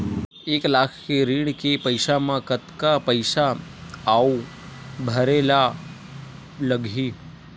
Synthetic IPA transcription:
eklakʰkeɾiɳkepəjʃamãkət̪kapəjʃaː | u | bʱəɾela | ləɡʱi

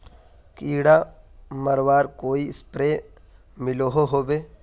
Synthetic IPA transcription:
kiːɽaməɾʋaːɾkoːiɪspɾeː | mɪloɦoɦoːbeː

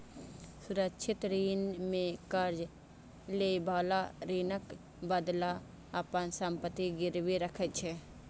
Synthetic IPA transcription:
sʊɾəkʃʰɪt̪ɾiːnmẽkəɾd͡ʒ | lebaːlaɾiːnək | bəd̪la | ɐpənsəmpət̪iɡɪɾwiɾəkʰət͡ʃʰɛː

